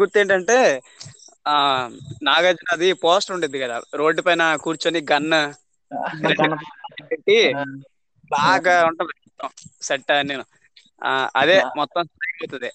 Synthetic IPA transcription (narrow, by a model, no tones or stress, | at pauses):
ɡuɾt̪ːe̞ːɳʈɐɳʈe̞ː | naːɡɐːd͡ʒɐnɐɐd̪ipoːsʈuɳɖed̪ikɐd̪a̰ːɾo̞ːɖːupɐjnɐkuːɾt͡ʃoːniɡɐnːɐ | ɾeɳuaeʈeɳʈi | baːɡaːuɳʈɐmd̪ɐt̪ːɐ̃seʈːɐnːeːnu | ɐd̪e̞ːmɔt̪ːɐ̃m̃sʈɐjɐwt̪und̪i